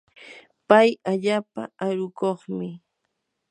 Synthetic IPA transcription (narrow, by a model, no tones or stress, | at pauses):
pajaʎaːpa̰aɾʊkoχmɪ